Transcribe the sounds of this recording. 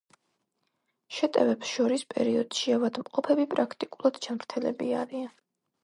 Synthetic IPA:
ʃɛt̪ʼɛvɛpsʃɔɾispʼɛ̰ɾiɔd̪̥ʃiavad̪mqʼɔpʰɛbipʼɾakʰt̪ʼikʼulˠad̪d͡ʒamɾt̪ʰɛlɛ̰biaɾian

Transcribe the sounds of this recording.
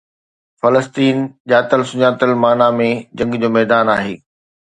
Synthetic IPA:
fɐləst̪iːnʄaːt̪əlsʊɲaːt̪əlmaːnamẽd͡ʑɐ̃ŋɡd͡ʑoːmɛːd̪aːnaːɦeː

